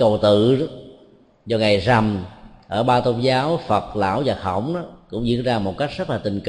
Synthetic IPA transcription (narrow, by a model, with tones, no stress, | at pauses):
kə˨˩wt̪ɨ̰˧˨˦ | zɔ˧ŋa˨˩jza˨˩mʔəː˧˩ɓaː˧t̪o˧nzaː˨˦wfə˨˩t̚la̰ː˧˥wvaː˨˩xə̰˧˩˨wŋ͡mɗɔ˨˦kʊ̰˧˥ŋ͡mzḭ˧˥ənzaː˧mo˨˩t̚ka˦˥jk̟̚zə˦˥laː˨˩t̪ï˨˩ŋ̟k